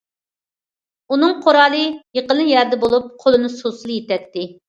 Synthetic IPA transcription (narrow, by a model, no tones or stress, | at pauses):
unɨŋqʰoɾɑːlˠɨjeqəlˠjæɾd̪ɛbolˠup̚qʰolˠɨnɨsosɨlˠjet̪ɛk̚ʲt̪ɪ